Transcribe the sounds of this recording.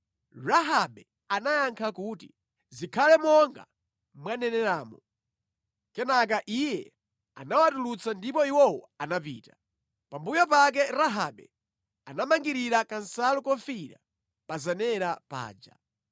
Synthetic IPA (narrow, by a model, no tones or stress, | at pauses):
raɦaɓɛ | anajaŋkʰakutḭ | zikʰalɛmɔŋɡa̰ | mwanɛnɛɾaːmɔ | kɛnak̬aʔijɛ | a̰nawatulut͡sandipɔiwɔwɔ | anap̬ḭːta | pambujɔp̬ak̬ɛɾaɦa̰ɓɛ̰ | anamaŋɡiɾiɾakansalukɔfiɾa̰ | pazanɛɾapa̰ːd͡ʒa̰